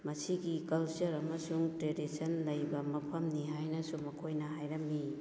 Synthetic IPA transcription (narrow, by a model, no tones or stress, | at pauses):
mɐsiɡikɐlt͡ʃɐɾɐmɐsuŋtɾedisʰɐnlɐjbɐmɐpʰɐmniɦajnɐsumɐkʰojnɐɦajɾɐmːi